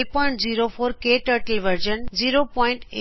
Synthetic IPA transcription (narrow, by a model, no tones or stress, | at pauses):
lpɔɪɳʈd͡ʑiːɾofʰoːɾkeːʈəɾʈəlʋəɾd͡ʒənd͡ʒiːɾopɔɪ̃ɳʈe